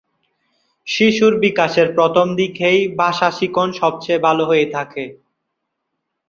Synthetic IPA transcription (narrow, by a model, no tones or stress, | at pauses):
ʃiʃuɾbikaʃeɾpɾot̪ʰomd̪ikʰejbaʃaʃikonʃɔb̚t͡ɕebʱaloɦojet̪ʰake